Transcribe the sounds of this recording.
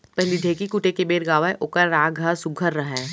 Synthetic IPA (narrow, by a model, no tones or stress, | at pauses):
pɛɦliɖʱeːkikʊʈekebeːɾɡaːʋaeʔʊkəɾːaːɡʱasʊɡʱəɾːɐɦɛː